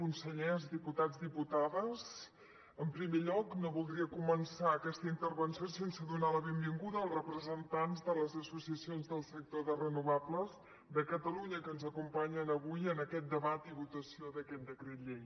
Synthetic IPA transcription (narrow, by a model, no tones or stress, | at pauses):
unsəʎɛzdiput̪ad͡zðiput̪aðəz | əmpɾimeʎɔknoβulˠd̪ɾiəkumənsaəkɛst̪əint̪ərβənsiosensəðunaləβembiŋɡuðəːlˠzrəpɾəzənt̪anzðələzəsusiəsionzðəlˠsək̚t̪oðərənuβabləz | d̪əkət̪əluɲəkənzəkumpaɲənəβujənəkɛt̪̚d̪əβat̪iβut̪əsioðəkɛt̪̚d̪əkɾet̪ʎeŋ